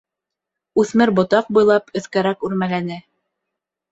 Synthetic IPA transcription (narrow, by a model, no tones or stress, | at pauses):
ʉθmɘɾbŏt̪ɑq̚bujlˠɑpɵ̆θkæɾækʉɾmælænɘ